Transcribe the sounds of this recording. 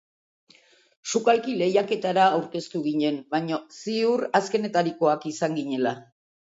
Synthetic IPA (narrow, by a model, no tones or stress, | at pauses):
ʃukalkile̞jake̞t̪aɾaːwɾke̞st̪uɣiɲe̞mbajɲosiuɾaske̞ne̞t̪aɾiko̞akisaŋɡiɲe̞la